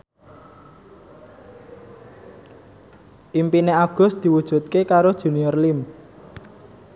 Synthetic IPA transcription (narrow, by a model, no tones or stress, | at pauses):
ʔimpineaɡ̥ʊ̤sd̪̥i̤wud̥ʒ̥ṳt̪̚kekaɾod̥ʒ̥ṳniɔrlim